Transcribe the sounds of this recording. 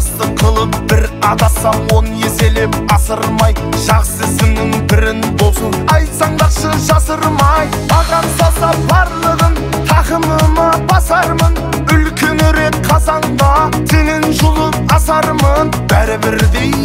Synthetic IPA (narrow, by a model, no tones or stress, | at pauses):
st̪əqʰəlˠəp̚bɪɾɑd̪ɑsɑnwo̞nəjese̞le̞p̚ɑsəɾmɑjʒ̥ɑqsəsɪŋnɪŋbɪɾɪnb̪osənɑj̪sɑɴd̪ɑqʃəʒɑsəɾmɑj | bɑʁɑpsɑsɑp̚bɑɾlˠəʁən | t̪ʰɑqəməmɑbɑsɑɾmən | ʏlkʲe̞nɾe̞k̚qʰɑzɑɴd̪ɑt̪ʰenɪnʒʊlˠəp̚ɑsɑɾmən | b̥æɾɪbɪɾd̪e̞j